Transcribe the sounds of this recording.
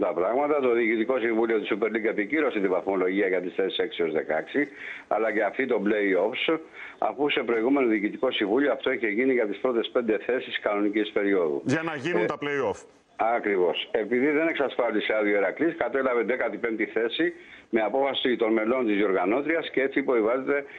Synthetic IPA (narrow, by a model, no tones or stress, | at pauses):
t̪ɐpɾɐɣmɐt̪ɐt̪oðiːcit̪iko̞siɱvulio̞t̪isupe̞ɾliɡe̞piciɾo̞set̪ivɐθmo̞lo̞ʝiɐʝɐt̪isθe̞si̥se̞ksio̞zðe̞̰kɐksiɐ̰lɐce̞ɐft̪it̪o̞ble̞io̞fs | ɐ̰fuse̞pɾo̞iɣumeno̞ðiːcit̪iko̞siɱvulioɐft̪oeçe̞ʝiniʝɐt̪ispɾo̞t̪e̞spe̞nd̪e̞θe̞siskɐno̞nicispe̞ɾio̞ðṵʝɐnɐʝinut̪ɐpleiof | ɐkɾivo̞se̞piðiðe̞ne̞ksɐsfɐliseɐðioeɾɐkliskɐt̪e̞lɐved̪e̞kɐt̪ipe̞mt̪iθe̞si | me̞ɐpo̞fɐsit̪o̞nme̞lo̞nt̪izioɾɣɐno̞t̪ɾiɐsce̞e̞t͡sipoivɐzet̪e̞